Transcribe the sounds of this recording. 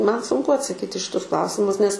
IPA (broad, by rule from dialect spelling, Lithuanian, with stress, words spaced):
ˈmɐn sʊŋˈkʊ ɐtsɐˈkʲiːtʲ ɪ ʃʲɪˈtʊs ˈklˠɐʊsʲɪmʊs nʲɛs